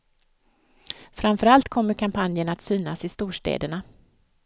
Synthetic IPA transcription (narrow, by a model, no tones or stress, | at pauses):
fɾamfœɾalt̪kʰɔmːəɾkʰampʰanjəɳat̪syːnasɪst̪uːʂʈḛːd̪əɳa